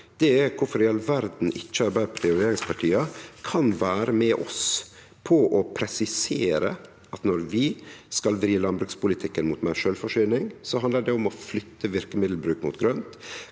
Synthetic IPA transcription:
d̪̥ɛæɾkʰʊfɔɾɪɑlʋæɾd̪n̩ʔɪt͡ʃːəɑɾbæɾpʰɔt̪ʰɛʊɾeːɾɪŋspʰɑʈʰiːɑkʰɑnʋæːɾəmɛʔɔ̰s | pʰɔʔɔpʰɾɛsɪseːɾə | ɑt̪nɔɾʋɪskɑlʋɾiːlɑnbɾʉːkspʊlɪt̪ʰɪkːənmuːt̪mæʂøːlfɔʂyːnɪŋsɔɑnd̪əɖɛʊmɔflʏt̪ːəʋɪɾkəmɪd̪l̩bɾʉːkmṵːt̪ɡɾœnt̪

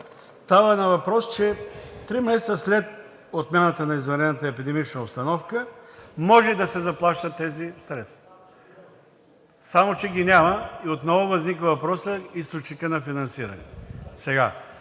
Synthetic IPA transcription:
st̪avənɐvɐpɾɔst͡ʃɛt̪ɾimɛsɛt̪səslɛt̪̚ | ot̪mɛnət̪ənɐizvɛɾɛnɐt̪əɛpid̪ɛmit͡ʃnəopst̪ɐnɔfkəmɔʒɛd̪ɐsɛzɐplˠaʃt̪ət̪ːɛzisɾɛs | samot͡ʃɛɡʲinʲaməiot̪nɔvovɐznikvɐvɐpɾɔsəist̪ot͡ʃnikənɐfinɐnsiɾɐ̰nɛ̰sɛɡa̰

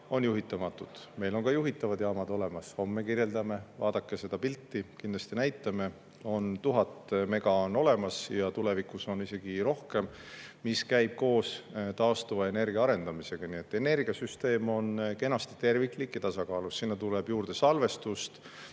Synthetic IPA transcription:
o̞njuɦit̪ːˑɑmɑt̪ːˑud̪̥me̞jlo̞ŋkɑjuɦit̪ːˑɑvɑd̪jɑːmɑd̪o̞le̞mɑsho̞mːekirje̞ld̪ɑme̞vɑ̰ːd̪̥ɑkːe̞se̞d̪̥ɑpilt̪ːikind̪lɑst̪inæjt̪ːˑɑme̞ | o̞nt̪uɦɑt̪ːme̞ɡ̥ɑo̞no̞le̞mɑsjɑt̪ule̞vikuso̞nise̞ɡ̥iɾo̞hke̞m | miskæjb̥̚ko̞ːst̪ɑost̪uvɑe̞ne̞rɡ̥iɑɑɾe̞nd̪̥ɑmise̞ɡ̥ɑniet̪ːˑe̞ne̞rɡiɑsyst̪e̞ːmo̞nke̞nɑst̪i̥t̪e̞rvikːˑlikːˑit̪ɑsɑkɑːlusːinːɑt̪uleb̥juːrd̪̥e̞sɑlve̞st̪ust̪

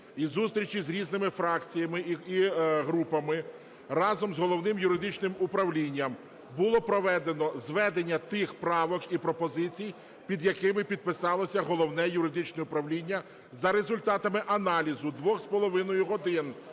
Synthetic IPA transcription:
izust̪ɾʲit͡ʃizɾʲiznɪmɪfɾɑkt͡sʲijɐmɪiɦɾupɐmɪ | rɑzɔmzɦɔlˠɔwnɪmjʊɾɪd̪ɪt͡ʃnɪmʊpɾɐwlʲinʲːɐm | bʊlˠɔpɾɔʋɛd̪enɔzʋɛd̪enʲːɐt̪ɪxpɾɑʋɔkipɾɔpɔzɪt͡sʲij | pʲid̪jɐkɪmɪpʲid̪̚pɪsɑlˠɔsʲɐɦɔlˠɔwnɛjʊɾɪd̪ɪt͡ʃnɛʊpɾɐwlʲinʲːɐ | zɐɾezʊlʲt̪ɑt̪ɐmɪʔɐnɑlʲizʊd̪ʋɔxspɔlˠɔʋɪnɔjʊɦɔd̪ɪn

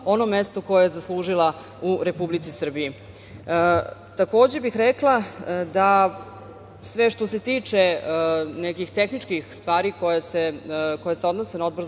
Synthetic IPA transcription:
o̞no̞me̞st̪oko̞jejezaslˠuːʒila | uɾe̞publit̪sisr̩biji | t̪ako̞ːd͡ʑe̞bixɾeklˠad̪a | sʋe̞ʃt̪o̞se̞t̪iːt͡ʂe | nekixt̪e̞xnit͡ʂkixst̪ʋaːɾikojeseko̞jeseo̞d̪nose̞nao̞d̪bo̞ɾ

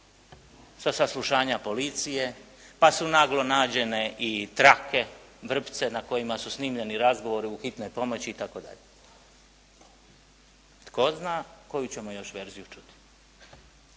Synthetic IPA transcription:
sasaslˠuʃaːɲapo̞lit̪sije̞ | pasunaɡlo̞naːd͡ʑe̞ne̞ʔit̪ɾake̞ʋr̩pt̪se̞nako̞jimasusnimʎe̞niɾazɡo̞ʋo̞ɾiuxit̪no̞jpo̞mo̞t͡ɕiːt̪ako̞d̪a̰ʎe | t̪ko̞znako̞jut͡ɕe̞mojo̞ʃʋe̞ːɾzijut͡ʃu̥t̪i̥

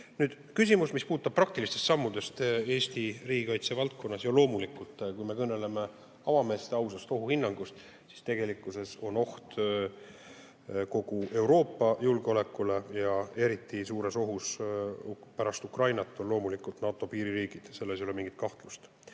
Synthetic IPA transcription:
nyːd̪̥ | kysʲimusmispuːt̪ːˑɑb̥̚pːrɑkt̪ilist̪e̞st̪sɑmːud̪̥e̞st̪e̞ːst̪iriːɡikɑjt̪se̞vɑlt̪̚ko̞nːɑsjolo̞ːmulikːult̪ˑːkujme̞kɤnːe̞le̞me̞ | ɑvɑme̞ːst̪eɑwsɑst̪o̞ɦuhinːɑŋɡ̥ust̪ | si̥st̪e̞ɡ̥e̞likːˑuse̞so̞no̞ht̪ | ko̞ɡ̥ue̞wɾo̞ːpːɑjulɡ̥eo̞le̞kːˑule̞jɑe̞ɾit̪ːisuːɾe̞so̞ɦus | pæɾɑst̪ukrɑjnɑt̪ːˑo̞nlo̞ːmulikːˑult̪nɑːt̪o̞piːɾiɾiːɡ̥id̪̥se̞lːesjolemiŋɡit̪̚kɑht̪lust̪

